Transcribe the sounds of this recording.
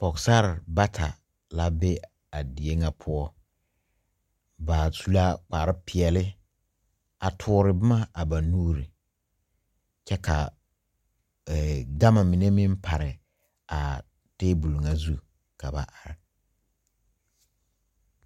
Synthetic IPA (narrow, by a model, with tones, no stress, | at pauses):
pɔ˨ksa˦ɾba˦tʰa̰˨ | la˦be˦ | a˨di˨e˦ŋa˦pʰʊ˦ɔ˦ | ba˨su˦la˦k͡pa˨ɾɪ˦pɪ˨ɛ˨lɪ˦ | a˨tʰʊː˦ɾɪ˨bɪ˦ma˦a˨ba˨nuː˦ɾi˨ | t͡ʃɛ˦ka˨ | ɛ˨ɡa˦ma˨mɪ˨ne˦mɪ˦m˦pʰa˨ɾɪ˨ | a˨ | teː˦bu˨lu˨ŋa˦zu˦ | ka˨ba̰˨ʔa˨ɾɪ˨